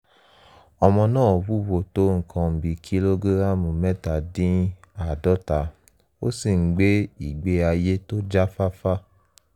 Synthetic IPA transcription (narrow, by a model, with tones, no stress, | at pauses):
ɔ˧mɔ̃˧nãː˦˨wu˦˨wo˨to˦ŋ̩˨kʰɔ̃˧m̩˨bi˨kʰi˦lo˦ɡe˦ɾa˦˨mũ˨mɛ˦ta˨dĩ˦a˨dɔ˦ta˨ | o̰˦si˦˨ŋ̩˨ɡ͡be˦i˨ɡ͡be˧a˧je˦to˦d͡ʒa˦fa˦fa˦